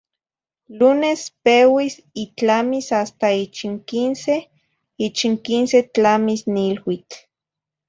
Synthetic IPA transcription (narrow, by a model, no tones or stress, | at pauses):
lunespewis | it͡ɬamisast̪ait͡ʃiŋkinse | it͡ʃiŋkinset͡ɬamisnilwit͡ɬ